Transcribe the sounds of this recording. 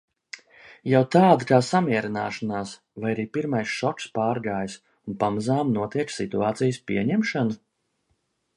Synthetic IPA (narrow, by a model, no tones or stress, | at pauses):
jawt̪aːd̪akaːsamiɛɾina̰ːʃanaːs | vajaɾiːpiɾmajsʃɔkspaːɾɡaːjs | unpamazaːmnuɔt̪iɛksḭt̪uaːt̪sijəspḭɛɲɛmʃanu